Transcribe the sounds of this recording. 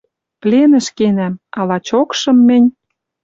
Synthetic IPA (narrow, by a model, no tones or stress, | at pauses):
plʲenə̆ʃkenæmɑlɑt͡ɕokʃɤ̆mːɘ̆nʲ